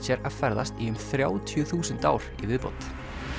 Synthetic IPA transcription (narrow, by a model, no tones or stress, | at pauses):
sɛɾaðfɛɾða̰st̪iʏmθɾjaːwt̪ʰjʏθuːsʏnt̪a̰ːwɾ̥ivɪðpo̰wt̪